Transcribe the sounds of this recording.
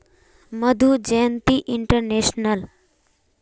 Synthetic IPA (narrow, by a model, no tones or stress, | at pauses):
məd̪ʱud͡ʒejənt̪iʔiɳʈəɾneʃnəl